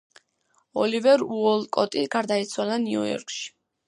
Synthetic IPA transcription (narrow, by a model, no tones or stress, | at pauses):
ɔlivɛɾuɔlˠkʼɔt̪ʼiɡaɾd̪ait̪sʰwalaniṵjɔ̰ɾkʰʼʃi̥